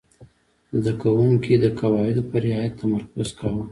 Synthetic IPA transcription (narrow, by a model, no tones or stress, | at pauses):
zd̪akawuŋkid̪əkawɑɪd̪opəɾɪɑjat̪ːamaɾkʊzkawə